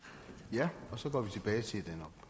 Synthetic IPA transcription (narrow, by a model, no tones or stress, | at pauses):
jæɒ̽sɒ̽ɡ̥ɒ̰ːʋit͡sʰe̝b̥ɛːɪsʰe̝d̥enɒ̽b̥